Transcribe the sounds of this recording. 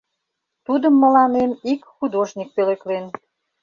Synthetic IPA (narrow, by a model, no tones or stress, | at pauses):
t̪ud̪əmːə̆lɑnemikxud̪oʒnʲik̚peleklen